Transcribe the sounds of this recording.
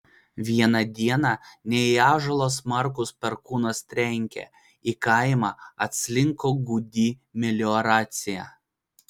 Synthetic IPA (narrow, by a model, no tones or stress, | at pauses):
ʋʲiɛnɐd̪ʲiɛnɑnʲɛiɑːʒɐlˠoːsmɐɾkʊspʲɛɾkuːnɐst̪ʲɾʲɛŋʲkʲɛ̰ | ikɐɪmɑːɐt̪ʲsʲlʲɪŋkoːɡʊd̪ʲiːmʲɛlʲɔɾɑːt̪sʲɪjæ̰ː